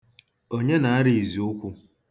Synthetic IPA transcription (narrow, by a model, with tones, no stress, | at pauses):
o˦ɲe˦na˨a˦ɾi˨i˨zi˨ʊ˦kʷu˦